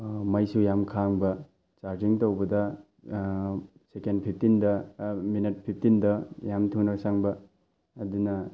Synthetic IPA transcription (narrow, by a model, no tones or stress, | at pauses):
mɐjsujamkʰaŋbɐ | t͡ʃaɾd͡ʒiŋtɐwbɐdɐ | sekendpʰip̚ʰtindɐminit̚pʰip̚ʰtindɐjamtʰunɐsaŋbɐː | dunɐ